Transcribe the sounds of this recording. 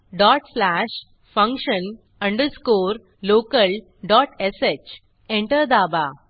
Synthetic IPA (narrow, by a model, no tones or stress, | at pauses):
ɖɔʈslæʂ | fə̃ŋkʂən | ə̃ɳɖəɾskoːɾ | loːkəl | ɖɔʈeset͡ɕ | ẽɳʈəɾd̪aːba